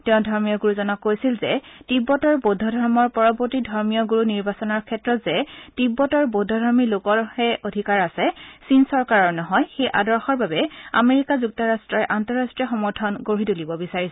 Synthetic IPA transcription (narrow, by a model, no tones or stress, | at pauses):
tɛʊ̃dʱɔɹmijɔɡuɹuzɔnɔkːojsilzɛtibːɔtɔɹbodʱːɔdʱɔɹmɔɹpɔɹɔboɹtidʱɔɹmijɔɡuɹuniɹbasɔnɔɹkʰɛtɹɔtzɛtibːɔtɔɹbodʱːɔdʱɔɹmilokɔɹhɛodʱikaɹasɛsinsɔɹkaɹɔɹnɔɦɔjxejʔa̰dɔɹxɔɹbabɛa̰meɹikazuk̚tɔɹastɹɔɹɛʔantɔɹastɹiɔxɔmɔɹtʰɔnɡoɹitulibɔbisaɹisɛ